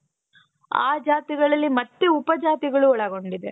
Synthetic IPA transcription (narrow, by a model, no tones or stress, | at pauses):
a̰ːd͡ʒaːt̪iɡɐɭɐlːimɐt̪ːeupɐd͡ʒaːt̪iɡɐɭuɔɭɐɡo̞ɳɖid̪ḛ